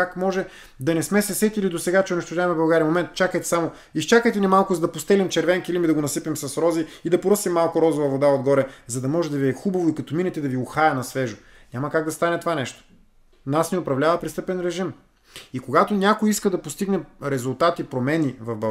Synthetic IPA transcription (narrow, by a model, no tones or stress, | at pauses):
akmɔʒɛ | d̪ɐnɛsmɛsɛsɛt̪ʲilid̪osɛɡat͡ʃɛoʊnɛʃt̪ʊʒavɐmɛbɐlˠɡaɾiɐmomɛnt̪t͡ʃakəjt̪ɛ̥samo | ist͡ʃakəjt̪ɛnɛmalˠkʊzɐd̪ɐpost̪ɛlimt͡ʃɛɾvɛŋkilimid̪ɐɡonɐsipimsɐsɾɔziid̪ɐpoɾɤsimːalˠkʊɾɔzʊvɐvod̪aod̪ɡɔɾɛzɐd̪ɐmɔʒɛd̪ɐviɛxubɐvoikɐt̪ɔminɛt̪ɛd̪ɐviʊxajɐnɐsvɛʒʊ | nʲamɐkaɡd̪ɐst̪anɛt̪ovanɛʃt̪o̥ | nasnɛʊpɾɐvlʲavɐpɾist̪ɤpɛnɾɛʒim | ikoɡat̪onʲakojiskəd̪ɐpost̪iɡnɛɾɛzʊlˠt̪at̪ipɾomɛnivɐvbɐ